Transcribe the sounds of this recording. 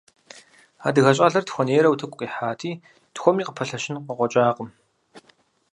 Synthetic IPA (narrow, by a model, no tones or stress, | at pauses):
a̰ːdɨɣɐɕʼɐɮɐrtxʷɔneːɾɐwutʰɨkʷʼqʼiːħaːtʰiː | txʷɔmiːqəpʰɐɬɐʃɪnqəqʷɔt͡ʃʼaːqəm